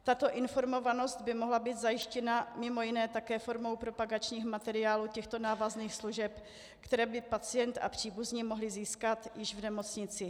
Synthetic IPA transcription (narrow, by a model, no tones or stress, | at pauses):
t̪at̪o̞ʔɪnfo̞ɾmo̞vano̞st̪̚bɪmoɦlabiːd̪zajɪʃcɛnamɪmo̞jɪnɛːt̪akɛːfo̞ɾmo̞wpɾo̞paɡat͡ʃɲiːxmat̪ɛɾɪaːluːcɛxt̪o̞naːvazniːxsluʒɛp | kt̪ɛɾɛːbɪpat͡sɪjɛnt̪a̰pr̝̥iːbuzɲimoɦlɪziːskat̪jɪʒvnɛmo̞t͡sɲɪt͡sɪ